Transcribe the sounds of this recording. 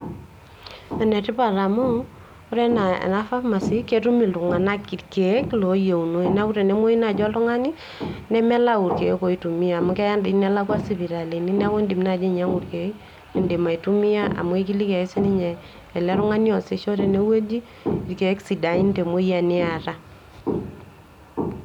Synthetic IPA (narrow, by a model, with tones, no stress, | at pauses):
ɛ˨nɛ˨ti˦pa˨ɾa˨mʊ˦ | o˦ɾɛ˦na̰˨na˦fa˦ma˨si˦ke˦tu˦mi˨lu˨ŋa˨na˦ki˨tke˨˦klo˨je˨u˨no˨i˨na˦u˦ɾe˨ne˦mo˦i˦na˨d͡ʒɔ˦lʊ˦ŋa˦ni˦ | nɛ˦mɛ˦la˦u˨ɾke˨˦ko˨i˦tu˨mi˦a˨mu˦kɛ˦ja˦ndɪ˨nɛ˦la˦kwa˦si˨βi˨ɾa˨le˨ni˦na˦wo˦ndi˨m˦na˨d͡ʒe˦ɲa˦ŋu˨rke˨˦ | i˨nde˨ma˨i˨tu˦mi˦ja˦a̰˨mu˦e˦ki˦li˦kɛ˨e˦se˦ni˦ɲɛ˨ | ɛ˨lɛ˦ɾʊ˦ŋa˦ni˦ɔ˨se˨ʃo˦ɾe˨ne˦we˦d͡ʒi˦ | i˨ɾke˨˦ksi˨da˨i˦nde˨mo˦i˦a˨nɪ˦a˨ɾa˦